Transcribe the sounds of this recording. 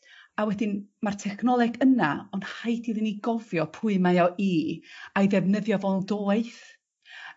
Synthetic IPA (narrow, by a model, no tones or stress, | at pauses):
awɛdɪnmartʰɛkʰnɔlˠɛɡənaɔnhajdiðəniɡɔvjɔpʰʊɨmajɔʔiajðɛvnəðjɔvɔlˠdoːɨθ